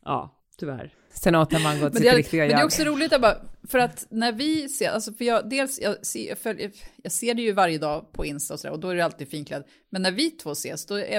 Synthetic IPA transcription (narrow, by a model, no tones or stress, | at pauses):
ʔɑ̰ː | t̪ʰʏvæ̰ɾ | sɛnɑːt̪haɾmanɡɔt̪ːɛnd̪ɛɪkt̪ɪɡaɛd̪ɛjɔksɔɾuːlɪɡt̪abɑfœɾat̪næɾvɪseːɾʔa̰lsɔfœjɑːd̪eːlsjɑ̰ːsjɑ̰ːfœljjɑːɡseːɖɛjɵvaɾjəd̪ɑːpʰɔɪnst̪aɔsɔd̪æ̰ɾɔd̪ɔæɖɛalt̪iːd̪̥fiːnkʰlɛ̰d̪ | mɛnːæɾvɪt̪ʰvoːsḛːsd̪ɔæ̰